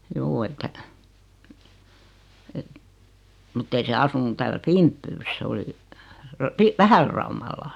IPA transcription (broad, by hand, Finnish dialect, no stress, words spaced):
juː etːæ et mŭtː ei se ɑsunu tæːlæ fimpːyːs s oli rɑ pi ʋæhælrɑumɑlː